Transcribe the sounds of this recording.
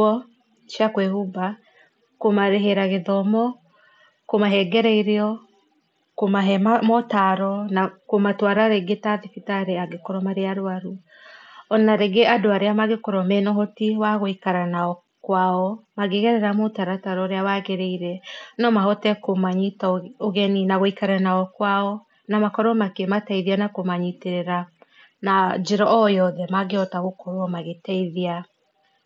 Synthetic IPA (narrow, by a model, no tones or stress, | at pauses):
ɔ | ʃjakwɛhuba | komaɾeɦeɾaɣeðɔmɔ | komaɦɛɡɛɾɛiɾeɔ | komaɦɛmamɔtaɾɔnakomatwaɾaɾeɡetaðifitaɾeaɡekoɾɔmaɾeaɾoaɾu | ɔnnaɾeɡeʔadoaɾeamaɣekoɾɔmɛnɔɦɔtiwaɣoikaɾanaɔ | kwaɔmaɣeɣɛɾɛɾamotaɾataɾɔɾeawaɣeɾeiɾɛnɔmaɦɔtɛkomaɲitaoɣɛninaɣoikaɾanaɔkwaɔ | namakɔɾɔmakematɛiðianakomaɲiteɾeɾa | nad͡ʒeɾɔʔɔjɔðɛmaɡeɔtaɣokɔɾwɔmaɣetɛiðia